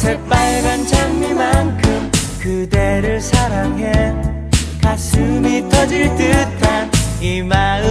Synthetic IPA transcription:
sʰep͈aɭɡant͡ɕaŋmimankʰɯmkɯde̞ɾɯɭsʰaɾaŋɦe | kas͈ʰɯmit͈ʌd͡ʑiɭt͈ɯt͈ʰanimaɯ

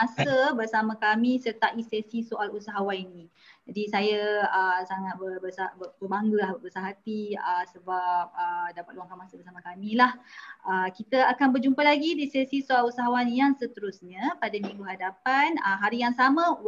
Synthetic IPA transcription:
asəbərsamãkamĩsərt̪aʔisesisoʔalusaɦawaninĩ | d͡ʒadisajaəsaŋat̪̚bəbəsabəbərbaŋɡəlahbəsaɦat̪iəsəbap̚ədapat̪̚uwaŋkanmãsəbərsamãkamĩlahəkit̪əakanbərd͡ʒumpalaɡidisesisoalusaɦawanjaŋsət̪əɾusɲə̃padamĩɡuɦadapanəɦaɾijaŋsamə̃

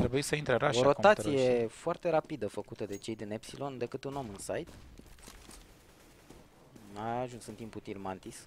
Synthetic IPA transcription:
t̪ɾebujisəint̪ɾeɾaʃoɾo̞k̪at̪tsije̞foart̪e̞ɾapid̪əfəkut̪əd̪e̞t͡ʃe̞jd̪inepsilo̞nd̪e̞kɨt̪uno̞mɨnsajt̪ | maːʒunsɨnt̪imput̪ilmant̪is

